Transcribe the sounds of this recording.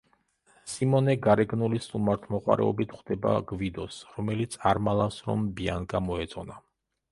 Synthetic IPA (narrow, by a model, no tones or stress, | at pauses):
simɔnɛɡaɾɛɡnulisʼumaɾt̪ʰmɔqʼwa̰ɾɛ̰ɔbit̪ʰχd̪̥ɛba̰ɡvid̪ɔsɾɔmɛlit̪sʰaɾmalˠafsɾɔ̰mbiaŋɡamɔɛt̪sʼɔna